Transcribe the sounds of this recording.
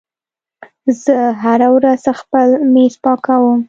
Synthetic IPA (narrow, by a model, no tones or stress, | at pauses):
zəɦaɾawɾazxpəlmespɑkawəm